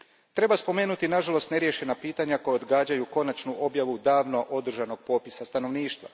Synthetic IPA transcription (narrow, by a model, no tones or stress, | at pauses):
t̪ɾe̞baspo̞me̞ːnut̪inaʒalo̞st̪ne̞ɾjeʃe̞napiːt̪aɲako̞jaod̪ɡaːd͡ʑajuko̞nat͡ʃnuʔo̞bjaʋud̪aːʋno̞ʔo̞d̪r̩ʒano̞ɡ̚po̞ːpisast̪ano̞ʋniːʃt̪ʋa̰